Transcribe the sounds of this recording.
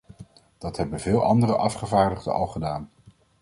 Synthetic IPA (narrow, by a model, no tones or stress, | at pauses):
d̥ɑtɦɛbənvɪːlˠʔɑndərəʔɑfχəvaːɹdəχdə̰ʔɑ̰lˠχədaːn